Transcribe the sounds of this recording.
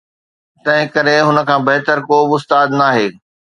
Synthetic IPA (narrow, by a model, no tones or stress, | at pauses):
t̪ɐ̃ɦɪ̃kɐɾeɦʊnə̆kʰãːbɐɦt̪əɾkoːbɪʊst̪aːd̪naːɦeː